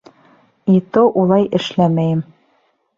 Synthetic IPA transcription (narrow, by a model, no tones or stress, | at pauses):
it̪oʔulˠɑjʔɘ̆ʃlæmæjɘm